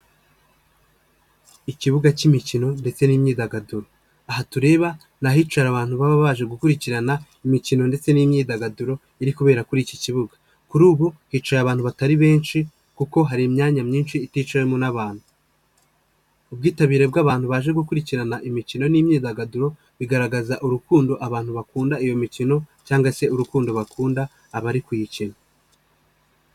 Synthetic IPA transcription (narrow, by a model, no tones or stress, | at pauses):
iciβuɡacimicino̞nde̞t͡se̞niːmɲiːdaɡaduɾo̞ | aɦatuɾe̞ːβa | naɦiːt͡ʃaɾaβaːn̥huβaβaβaːʒe̞ɡukuɾiciɾana | imicino̞nde̞t͡se̞nimɲiːdaɡaduɾo̞ | iɾikuβe̞ːɾakuɾiciciβuɡḁ | kuɾuːβuhiːt͡ʃajaβaːn̥huβataɾiβe̞ːnʃi | kuko̞ɦaɾimɲaːɲamɲiːnʃiːtiːt͡ʃawemonaβaːn̥hu | ub̚ɡiːtaβiːɾe̞b̚ɡaːβaːn̥huβaːʒe̞ɡukuɾiciɾanaʔimicino̞nimɲiːdaɡaduɾo̞ | βiɡaɾaɡazaʔuɾukuːndo̞ʔaβaːnhuβakuːndaijo̞micino̞caːŋɡwase̞uɾukuːndo̞βakʰuːndaː | βaɾikujicina